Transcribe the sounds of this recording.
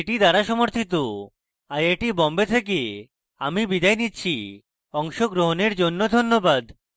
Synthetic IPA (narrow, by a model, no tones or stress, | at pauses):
eʈid̪aɾaʃɔmoɾt̪ʰit̪̬o | ajejʈibɔmbet̪ʰek̬e | amibid̪ajnitːɕʰi | ɔŋʃoɡɾoɦoneɾd͡ʑonːod̪ʱonːobad̪